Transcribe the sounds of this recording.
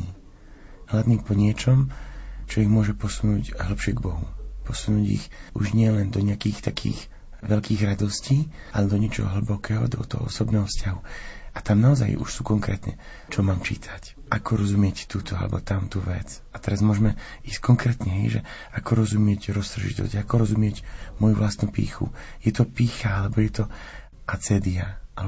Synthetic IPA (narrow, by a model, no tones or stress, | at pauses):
iː | ɦladniːpɔɲɪɛt͡ʃɔmt͡ʃɔiɣmʊɔʒɛpɔsunuːɟɦl̩pʃɪɛɡbɔɦṵpɔsunuːɟḭxuʒɲɪɛlɛnd̪ɔɲɪakiːxt̪akʰḭːɣ | ʋɛʎkiːɣɾad̪ɔsciː | ʔalɛd̪ɔɲɪɛt͡ʃɔ̰ɦɔ̰ɦl̩bɔkɛːɦɔ̰d̪ɔ̰t̪ɔ̰ɦɔ̰ɔ̰sɔbnɛːɦɔfscaɦuat̪amnaɔza̰jṵʃsukɔŋkɾɛ̰ːt̪ɲɛ̰ | t͡ʃɔmaːmt͡ʃḭːt̪ʰḁc | ʔakɔɾɔzumɪɛct̪uːt̪ʰɔa̰lɛ̰bɔ̰t̪amt̪uʋɛ̰t͡s | at̪ɛɾazmʊɔʒɛmɛ | iːsckɔŋkɾɛːt̪ɲɛɦɛjʒɛ̰ | akɔɾɔzumɪɛcɾɔst̪ɾ̩ʒḭt̪ɔ̰zɟakɔɾɔzumɪɛɟmɔjuvlast̪nupḭːxṵjɛt̪ɔpiːxaalɛbɔjɛt̪ɔ | ʔat͡sɛːd̪iaʔalɛ